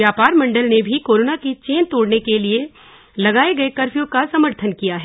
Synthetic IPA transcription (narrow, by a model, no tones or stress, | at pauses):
jaːpaːɾmɐ̃ɳɖəlnebʱikoːɾoːnaket͡ʃeːnt̪oːɽnekelie | lɐɡaːeɡɐekɐɾfjõkasɐməɾt̪ʰənkijaɦɛː